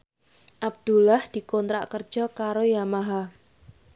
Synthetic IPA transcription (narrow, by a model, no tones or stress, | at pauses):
ʔab̚d̪̥ulahd̪̥i̤kɔnt̪ɾaʔkər̥d͡ʒ̥ɔkaɾojamaɦa